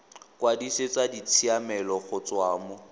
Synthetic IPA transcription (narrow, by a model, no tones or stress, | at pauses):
kwadisɪt͡sadit͡sʰiamɛlɔχʊt͡swaːmʊ